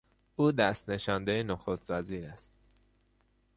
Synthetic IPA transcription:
ʔuːd̪æst̪neʃɒnd̪ejenoxost̪væziːɾæst̪̚

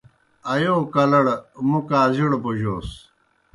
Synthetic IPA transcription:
ɐjoːkɐlɐɽmukaːziɽoboʑoːs

